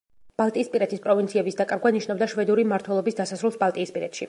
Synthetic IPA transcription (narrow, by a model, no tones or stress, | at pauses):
b̥alˠt̪ʼiːspʼiɾɛt̪ʰispʼɾɔvint̪sʰiɛbisd̪akʼaɾɡwaniʃnabd̪aʃvɛd̪uɾimaɾt̪ʰwɛlˠɔbisd̪asasɾulˠsbalˠt̪ʼiːspʼiɾɛ̰t̪ʃḭ